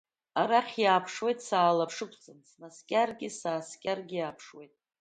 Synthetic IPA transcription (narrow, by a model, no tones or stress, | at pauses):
aɾaχʲjaːpʰʂwe̞jtʼsaːlapʰʂɨkʷʰt͡sʼɨnsmaskʲʼarɡʲɪsaːskʲʼarɡʲɪjaːpʰʂwejtʼ